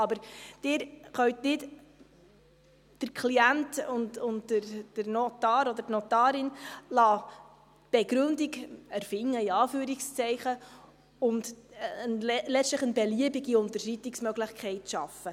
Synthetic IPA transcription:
ɑbəɾd̥ɪːɾχœɥtnɪt | d̥əkʰliæntʊndʊntəɾd̥əɾnotɑːɾɔd̪ətnɔtɑːɾɪnlɑː | b̥ɛɡɾɵndiɡæɾfɪŋːəiɑːfyːɾikst͡sɛɪχə | ʊndnlɛt͡stləχənbɛliəbiɡiʊntəɾʃitɪksmœɡlɪχkʰɛɪtʃɑfːə

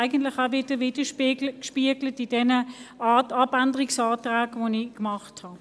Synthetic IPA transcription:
ɪɡən̩tlɪχaʊvɪdəʋɪd̥əʃpːɡəkʃpiəɡlətidɛnəatɑbandəʁɪksɑːtʁaːɡʋonikmɑχthɑ

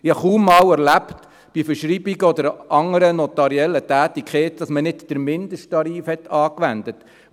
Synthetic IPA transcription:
ɪɑχuːmːɑːwɛɾlæpt | b̥ifəɾʃɾiːbiɡəɔd̪əɾɑŋəɾənɔt̪ɑɾiɛlːətæːt̪ikʰχeːt̪d̥ɑsmənɪdd̥əɾmɪnd̪əʃttɑɾiːfhɛtːɑːkʋænd̪ət

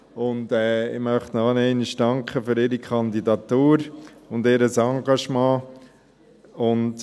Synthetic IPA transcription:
ʊndɛːɪmœχtnɑːnɛɪnɪʃd̥ɑŋkχəfʏɾɪɾikʰɑnd̪idɑt̪uːɾʊndɪːɾəsɑŋɡɑʃmɑ̃ː | ʊnt

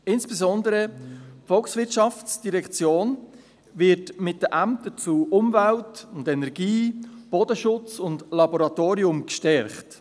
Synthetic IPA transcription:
ɪnsb̥ɛzɔndəɾəpfɔlksvɪt͡ʃɑft͡sd̥iɾɛkt͡sjoːn | vɪɾtmɪt̚dəʔæmtət͡suːʔʊmvæltʊndɛnɛɾɡ̥iːb̥ɔdəʃʊt͡sʊndlɑbɔɾɑtoːɾiʊmkʃtɛɾχt

